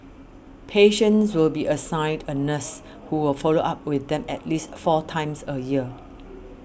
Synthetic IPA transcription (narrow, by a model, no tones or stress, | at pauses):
pʰeʃə̃nswɪlbiʔəsãɪdənəs | huwɪlfɔloʔap̚wɪθdɛ̃mɛ̰t̚listfɔtʰãɪ̃msəjiə